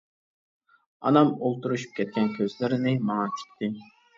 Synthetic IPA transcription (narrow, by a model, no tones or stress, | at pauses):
ɑ̰nɑmolˠt̪uɾuʃu̥p̚kʲʰɛt̪̚kʲɛnkʲʰøzlɪɾɪnɪmɑŋɑt͡ʃʰi̥p̚t̪ɪ